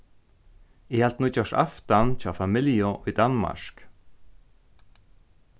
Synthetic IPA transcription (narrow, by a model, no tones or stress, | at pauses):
ɪhalt̪̚nut͡ʃɔʂa̰ft̪ant͡ʃɔːafamɪljʊʔujd̪anma̰ɹk